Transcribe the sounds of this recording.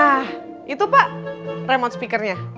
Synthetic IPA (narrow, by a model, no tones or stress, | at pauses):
ah | ʔit̪upaʔremɔnt̪spikərɲa